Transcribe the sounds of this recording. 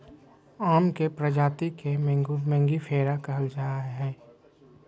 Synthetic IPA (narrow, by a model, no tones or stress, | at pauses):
aːmkepɾəd͡ʒaːt̪ikemmɛ̃ŋɡipʰeːɾakɐɦəld͡ʒaːaɦɛː